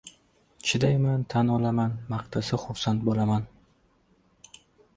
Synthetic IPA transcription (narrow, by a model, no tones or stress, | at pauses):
t͡ʃʰɪd̪ajmant̪ʰanɒlamanmaqt̪ʰasɪχʊfsant̪̚bɒlaman